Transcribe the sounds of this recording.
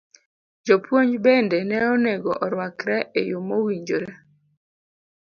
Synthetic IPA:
d͡ʒɔpwoɲd͡ʒbɛndɛnɛɔneɡɔʔɔɾwakɾɛʔejʊmowiɲd͡ʒoɾɛ

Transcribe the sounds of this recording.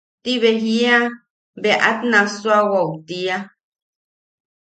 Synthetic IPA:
tiβɛɦia | bɛʔa̰tnaswaɣɔwtia

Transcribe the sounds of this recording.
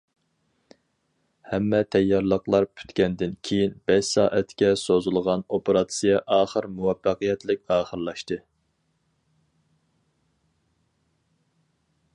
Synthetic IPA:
hɛmːɛt̪ʰɛjːɑɾlˠəqlˠɑɾpʰy̥t̪kʲɛnd̪ɪnkʲʰejinbɛʃsɑːʔɛt̪kʲɛsozulˠʁɑnopeɾɑt̪sɨjɛʔɑːχəɾmuwɑfːɑqɨjɛt̪lɪk̚ʲɑːχəɾlˠɑʃt̪ɨ

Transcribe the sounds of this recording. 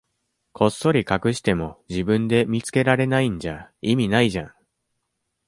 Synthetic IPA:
kʰo̞sːo̞ɾʲikakɯ̟ɕi̥t̪e̞mo̞d͡ʑibɯ̟̃nd̪e̞mʲit͡sɨ̥ke̞ɾaɾe̞naĩɲ̟d͡ʑaimʲinaiʑã̰ŋ

